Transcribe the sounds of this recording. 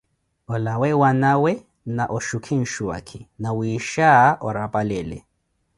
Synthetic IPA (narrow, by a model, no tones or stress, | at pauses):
ɔlawɛwanawɛ | naʔɔʃʊkʰɪn̩ʃuwa̰kʰɪnawiːʃaʔɔrapʼalɛːlɛ̰